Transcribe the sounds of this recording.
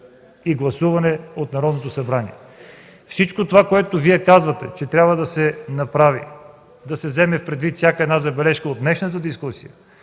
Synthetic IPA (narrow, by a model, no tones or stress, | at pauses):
iɡlˠɐsuvɐnɛot̪nɐɾɔd̪not̪osɐbɾanḭɛ | fsit͡ʃkot̪ovakoɛt̪oviɛkazvɐt̪ɛ̰t͡ʃɛt̪ɾʲabvəd̪ɐsɛnɐpɾavḭ | d̪ɐsɛvzɛmɛfpɾɛd̪vit̪fsʲakəɛd̪nazɐbɛlɛʃkəod̪d̪nɛʃnət̪əd̪iskusijə